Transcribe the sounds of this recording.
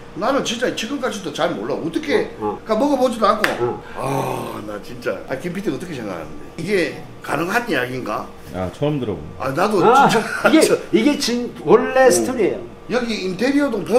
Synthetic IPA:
nanɯnt͡ɕint͡ɕ͈ait͡ɕʰiɡɯmk͈ad͡ʑʰidot͡ɕaɭmo̰ɭːaoːt͈ʌkʰe̞k͈amʌɡapod͡ʑid̪oanɡoana̰t͡ɕint͡ɕ͈a̰a̰ikimpʰid̪ʰiʌt͈ʌkʰe̞sʰeŋɡa̰ɭkʰa̰nɯndḛiɡe̞ | ka̰nɯŋɦanɲjaɡinɡa̰ | a̰t͡ɕʰʌmdɯɾa̰ɡo̰a̰nadoint͡ɕ͈aɡeoiɡet͡ɕinwoɭːesʰɯtʰɯɾiejo | jʌɡiintʰe̞ɾiʌdopo

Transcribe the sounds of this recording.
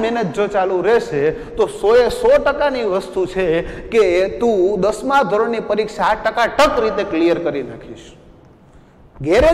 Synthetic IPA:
mɛnət̪̚d͡ʒot͡ʃalũɾɛʃet̪osoesɔʈəkaniʋəst̪ut͡ʃʰeket̪ũd̪əsmãd̪ʱoɾoɽnipəɾikʃaːʈːəkaʈəkɾit̪eklijəɾkəɾinakʰiʃ | ɡeɾe

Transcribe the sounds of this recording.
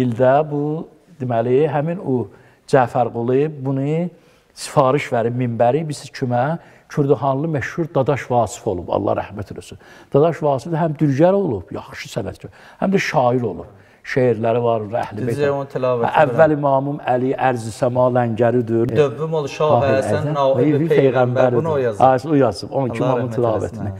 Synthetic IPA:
ild̪æbu | d̪imæliɦæminu | d͡ʒæfæɾɡulˠibunɯ | si̥fɑːɾiʃvæɾibmimbæɾibisit͡ʃʰymæ | cʰyɾd̪uxɑnlˠɯmæʃhuɾd̪ɑd̪ɑʃvɑːsi̥fo̞lˠubɑ̰lˠːɑ̰hɾæ̰hmæt̪ʰid̪osy | d̪̥ɑd̪ɑʃvɑːsifd̪æɦæmd̪yɾɟæɾo̞lˠub̥jɑ̰χʃɯsænæt̪t͡ʃʰy | hæ̰md̪æʃɑːiɾo̞lˠṵb̥ | ʃejiɾlæɾivɑɾunɾæ̰hlieont̪ʰilɑːvææævːælimɑːmumæliʔæɾzisæmɑlæɲɟæɾid̪yøbːymolˠʃɑ | ipʰejɣæmbæɾnjɑsujɑzɯbonit͡ʃʰiimɑːmumt̪ʰilɑːvæ̰t̪ʰini

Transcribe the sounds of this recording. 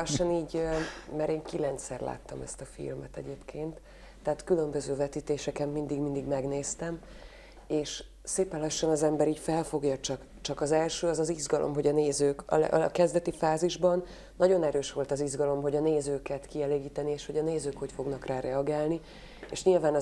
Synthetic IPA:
ʃːɒniːɟmɛɾeːŋkilɛnt̪sɛrla̰ːt̪ːɒ̰mɛ̰st̪ɒfḭlmɛt̪ɛ̰ɟeːpkʰeːnt̪ː | ɛɦːt̪kylømbø̞zøːvɛt̪iːt̪eːʃɛkɛmːind̪iɡmind̪iɡmɛɡneːst̪ɛm | eːʃ | seːpɛnlɒʃːɒnɒzɛmbɛɾiːcfɛlfo̞ɡjɒt͡ʃɒk | t͡ʃɒkɒzɛlʃøːɒzɒziʒɡɒlʔo̰mɦo̞ɟɒneːzøːkɒ̰kɛzd̪ɛt̪ifaːziʒbɒnː | ɒɟonɛɾøːʃʋo̞lt̪ɒziʒɡɒlo̞mɦo̞ɟɒneːzøːkɛt̪kiɛleːɡiːt̪ɛnieːʃho̞ɟɒneːzøːkho̞cfo̞ɡnɒkraːɾɛɒɡaːlni | ḛʃɲilvaːnɒ

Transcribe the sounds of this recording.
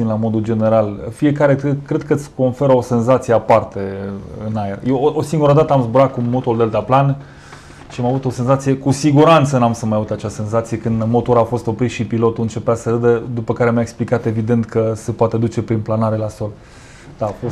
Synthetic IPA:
imlamo̞d̪uld͡ʒe̞ne̞ɾalfie̞kaɾe̞kɾe̞d̪̚kəɨt̪sʲko̞nfe̞ɾəo̞se̞nzat̪sijeapart̪e̞ɨnajerjeʔosiŋɡuɾəd̪at̪əamzbuɾat̪̚kumot̪ould̪elt̪aplan | ʃiamavut̪o̞se̞nzat̪sijekusiɡuɾant̪sənamsəmajavut̪at͡ʃase̞nzat̪sijekɨnd̪mo̞t̪o̞ɾafo̞st̪o̞pɾit̪ʃipilo̞t̪uɨnt͡ʃe̞peasəɾɨd̪əd̪upəkaɾemjaeksplikat̪e̞vid̪e̞nt̪kəse̞poat̪e̞d̪ut͡ʃe̞pɾinplanaɾe̞laso̞l | d̪̥afo

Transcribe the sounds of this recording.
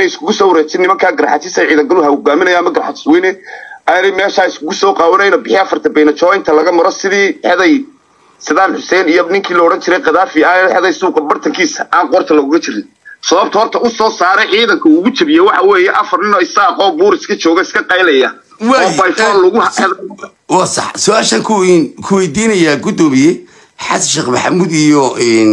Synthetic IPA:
nɛjɪskʰʊɣʊsɔːwɾɛːt͡ʃɪnɪmɐŋkʰaːɡɐɾaħɑt̪ʰɪsɐjʕiːðɐŋɡɐlʊɦɐhʊɡaːmɪnɐjaːɐmɐɡɐɾaħat̪ʰɪ̥swɛnɛɐnɛjmɛːʃaːɪskʰʊɣʊsɔːqɑːwɐnɛjnɐbɪħɪɐfɐrt̪ʰɐbɛjnɐt͡ʃɔːɪnt̪ʰɐlɐɣɐmɐɾɔsɪðiːħɛðɛj | sɪðaːnħʊsɛnɪjɔnɪŋkʰiːlɔːɽɐnt͡ʃʰɪɾɛjqɑðaːfɪaːħɛðɛjsuːqɐbɐrt̪ʰɐŋkʰiːsɐʔaːŋqɔrt̪ʰɐlɐɣʊɣɐt͡ʃɪɾɪn | sɐβɐb̚t̪ʰɐhɔrt̪ʰɐʊsɔːsaːɾɛʕiːðɐŋkʰɐuːɣʊt͡ʃɐβɪjɛwɑħɑwɛːjɛʔɐfɐrnɪnɔːɪsaːqɔːbuːɾɪskʰɐt͡ʃɔːɣɛɪskʰɐqɑjlɐjɐ | wɔːbajfɔːnlɐɣʊhħɛðɐ | wɑːsɑ̰ħsʊaːʃɐŋkʰʊnkʰʊwɛjd̪iːnɐjaɡʊd̪ɔːmɪjɛ | ħɑ̰sʃɪqmɐħa̰muːd̪ijɔɛːn

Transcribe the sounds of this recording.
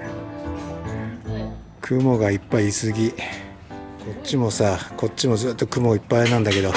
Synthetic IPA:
kʰɯ̟mo̞ɡaipːaiːsɨɡʲi | kʰo̞tɕimo̞sako̞tt͡ɕimo̞zɨːt̪ːo̞kɯ̟mo̞ipːanãnd̪ake̞d̪o̞

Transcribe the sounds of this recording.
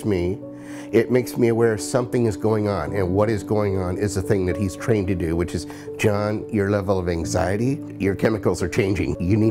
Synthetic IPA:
smi | ɪt̚meɪksmiɨwɛɹsʌ̃mθɪ̃ŋɨzɡoʊɪ̃ŋə̃nɨ̃nwʌɾɨzɡoʊɪ̃ŋə̃nɪzɨθɪ̃ŋðɨt̚hiz̥tʰɹ̥ẽɪ̃ntɨdɨwɨt͡ʃɨz̥ | d͡ʒɑ̃njə˞lɛvl̩ˠʌvæ̃ŋza̰ɪɨɾi | jə˞kʰɛmɨkl̩ˠzə˞t͡ʃʰẽɪ̃nd͡ʒɪ̰̃ŋjɨni

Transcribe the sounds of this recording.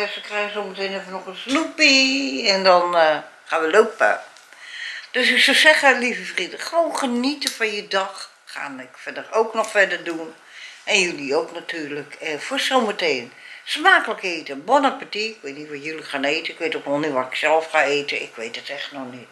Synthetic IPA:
səkrɛjəsoːməteːnefənɔxənsnupiɛndɔn | xaːnʋəloːpə̰ | d̥øsysolsɛxəlivəfridəːəʋoːnχənitəfɔnjədɔxː | a̰ːnɪkfɛdərowknɔxfɛdərdun | ʔɛnjyliowknatʰyːrləkɛfosoːməteːnsmaːkələkeːtəbonəpatiɪkʋeːtnitʋɔjylixaːneːtəɪkʋeːtokʋɔlˠnitʋatɪksɛlˠfxaeːtəɪ̰kʰʋeːtətɛxtnɔxnit

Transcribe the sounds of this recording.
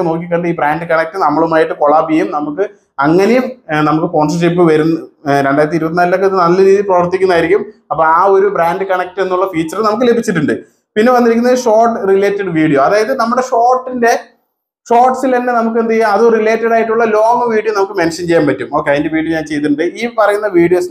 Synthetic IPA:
noːk̬ikːɐɳɖɨiːbɾaːnɖɨkɐɳɐk̚ʈɨnɐmːɐɭumaːjiʈːɨpoɭaːpijumnɐmukːɨ | ɐŋːɐne̞jumnɐmukːɨko̞ːns̬ɐrʂip̬ːɨʋɐɾunːɐɾe̞ɳɖaːjɾɐt̪̬ːiɾubɐt̪̬ːinaːlilo̞k̬ːeðɨnɐlːɐɾiːðiprɐʋɐrt̪ikʲːunːaːjiɾikʲːumɐpːoːaːo̞ɾubraːnɖɨkɐɳɐk̚ʈenːuɭːɐfiːt͡ɕːɐrnɐmuk̬ːɨlebʱit͡ɕːiʈːuɳɖɨ | pinːe̞ʋɐnːiɾikʲːunːɐðʂo̞ːrʈːɨrile̞ːtːɐɖʋiːɽijo̞ɐðaːjɐðɨnɐmːuɽeʂo̞ːrʈːinde̞ | ʂoːrʈsilenːenɐmuk̬ːend̪ɐɐðorile̞ːtːɐɽaːjiʈːuɭːɐlo̞ːɐmɐʋiːɽijonɐmukːɨmenʂɐnt͡ɕe̞jːaːmpɐtːumo̞ːkːeɐðindeʋiːɽijoɲaːnt͡ɕe̞jt̪̬ːuʈːuɳɖɨiːpɐrɐjunːɐʋiːɽijos

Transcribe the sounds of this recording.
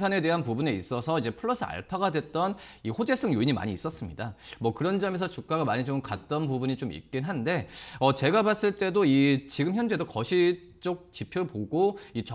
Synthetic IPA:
sʰane̞de̞ɦanpubune̞ḭs͈ʌsʰʌid͡ʑe̞pʰɯɭːʌsʰɯa̰ɭpʰaɡadwe̞t̚t͈ʌnihod͡ʑe̞sʰɯŋjoiɲima̰ɲiːs͈ʌs͈ɯmɲidamwʌkɯɾʌnd͡ʑʌmesʰʌt͡ɕuk͈aɡamaɲit͡ɕomkat̚t͈ʌnpubuɲit͡ɕomḭk̚k͈inɦande̞ʌt͡ɕe̞ɡabas͈ɯɭt͈e̞doit͡ɕiɡɯmçjʌnd͡ʑe̞dokʌɕʰi | t͡ɕ͈ok̚t͡ɕipʰjoɾɯɭpoɡoit͡ɕʌ

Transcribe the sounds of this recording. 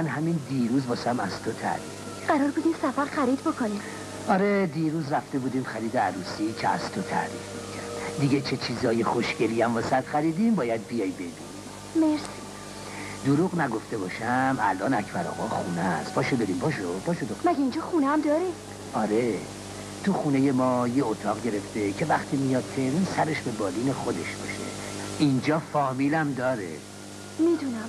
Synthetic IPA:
ænɦæmind̪iːɾuːzbɒːsæmæz̥t̪ʰot̪ʰæ̰ɾifiɢæɾɒːɾbuːd̪iːnsæfæɾxæɾiːd̪bokʰonim | ɒɾed̪iːɾuːzɾæft̪e̞buːd̪imxæɾiːd̪eæɾuːsiːcʰeæ̰z̥t̪ʰot̪ʰæ̰ɾḭːfmikʰæd̪iɟet͡ʃʰet͡ʃʰiːzɒːjexoʃɡeɾiæmbɒːsæd̪̥xæɾiːd̪imbɒːjæd̪̚bijɒjbed̪uːni | meɾs | d̪oɾuɣnæɡo̞ft̪e̞bɒːʃæmæ̰lʔɒːnæcʰbæɾɒ̰ːɣɒːxuːnæspʰɒːʃobed̪iːmbʰɒːʃ̬obɒːʃod̪omæɡʲeind͡ʒɒːxuneæmd̪ɒːɾi | ɒːɾe | t̪ʰuxuːneje̞mɒːjeot̪ʰɒːɣɟe̞ɾe̞ft̪e̞cʰe̞væχt̪ʰiːmijɒːd̪̚t̪ʰːe̞ɾinsæɾeʃbe̞bɒːliːnexod̪e̞ʃb̥ɒ̰ːʃe̞̰ʔind͡ʒɒːfɒːmiːlæmd̪ɒːɾḛ | mid̪unæm

